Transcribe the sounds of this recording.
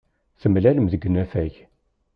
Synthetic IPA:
θəmlæləmðəɡːnæfæʝ

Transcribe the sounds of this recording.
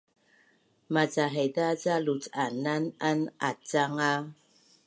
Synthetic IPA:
mat͡saɦɛdat͡salutanananat͡saŋa

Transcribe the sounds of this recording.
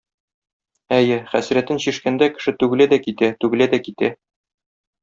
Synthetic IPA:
æjɘχæsɾæt̪ɘnɕiʃkænd̪ækɘ̥̆ʃɘt̪ʉɡɘ̆læd̪ækit̪æt̪ʉɡɘ̆læd̪ækit̪æ

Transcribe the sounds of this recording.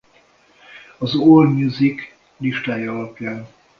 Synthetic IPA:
ɒzoːlmjuzik | liʃt̪aːiɒlɒpjaːn

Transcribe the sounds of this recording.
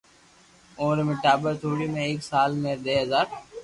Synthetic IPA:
õːɾemɪʈaːbəɾt̪ʰoːɽimẽeːksaːlmẽd̪eːɦɐzaːɾ

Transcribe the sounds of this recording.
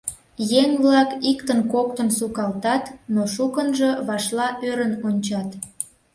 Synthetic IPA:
jeŋβlɑkikt̪ənkokt̪ənsukɑlt̪ɑt̪noʃukənʒɤ̽βɑʃlɑʔøɾənonʲt͡ɕɑt̪

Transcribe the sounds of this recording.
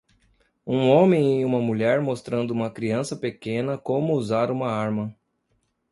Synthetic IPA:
ũõmẽj̃ɪũmɐmuʎɛɾmost̪ɾɐ̃nd̪ʊũmɐkɾiɐ̃sɐpekẽnɐkõmʊːzaɾũmɐaɾmɐ

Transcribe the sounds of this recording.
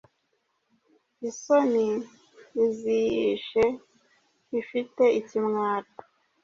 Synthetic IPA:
isoni | izijiʃe | ifite̞icimŋaːtḁ

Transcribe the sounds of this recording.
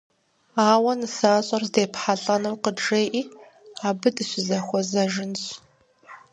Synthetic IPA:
aːwɐnɨsaːɕʼɐrzdeːpħaɬʼɐnɐwqədreːʔiː | aːbɨdɨɕɪzɐxʷɔzɐʒɪnɕ

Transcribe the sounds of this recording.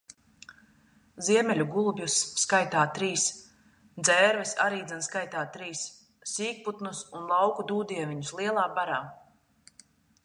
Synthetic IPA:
ziɛmɛlʲuɡulˠubjusːkajt̪aːt̪ɾiːs | d̪zɛːɾvɛsa̰ɾiːd̪ɛnskajt̪aːt̪ɾiːsː | iːk̚put̪nusunlˠɑwkud̪uːd̪iɛvʲiɲuslˠiɛlˠaːbaɾaː

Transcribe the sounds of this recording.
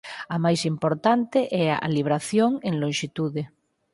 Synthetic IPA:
amajsimpoɾt̪ant̪eʔɛa̰ʔa̰liβɾaθjoŋẽŋlõnʃit̪uðe

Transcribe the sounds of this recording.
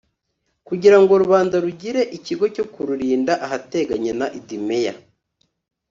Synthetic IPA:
kuɟiɾaŋɡo̞ɾuβaːndaɾuɟiɾe̞ʔiciɡo̞co̞kuɾuɾiːndaʔaɦate̞ɡaɲenaʔidimeja

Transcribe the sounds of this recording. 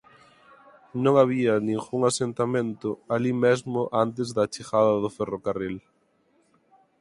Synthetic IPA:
nõŋaβ̞iɐnĩŋfuŋasent̪amẽnt̪ʊalimezmʊʔant̪̬ezðɐt͡ʃixaðɐðʊferokaril

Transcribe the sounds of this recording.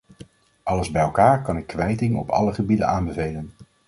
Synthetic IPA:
ʔɑləzbɛjɛlˠkaːɹkɑnɪkːʋɛjtɪŋɔ̰pʰɑ̰ləχəbidə̰naːnbəvejlən

